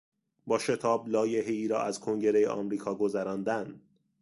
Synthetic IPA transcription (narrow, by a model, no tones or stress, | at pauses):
bɒːʃe̞t̪ʰɒːblɒːje̞ɦeiːɾɒ̰ːʔæz̥kʰo̞ŋɟe̞ɾejḛʔɒ̰ːmɾiːkʰɒːɡo̞zæɾɒːnd̪æn